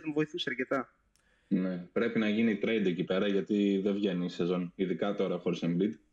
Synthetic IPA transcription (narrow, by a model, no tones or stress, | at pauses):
t̪omvo̞iθisiɐɾce̞t̪ɐ | ne̞pɾe̞pinɐʝinit̪ɾejd̪e̞cipe̞ɾɐʝɐt̪iðevʝe̞nise̞zo̞niðikɐt̪o̞ɾɐxoɾisemblid̪